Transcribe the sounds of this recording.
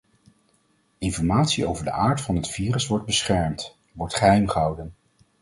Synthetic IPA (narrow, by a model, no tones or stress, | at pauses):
ɪnfɔɹmaːtsiowvəɹdə̰ʔaːɹtfɑnɦətfiːrəsʋɔɹd̚bəsχɛɹmt | ʋɔɹtχəɦɛjmχəɦɑwdən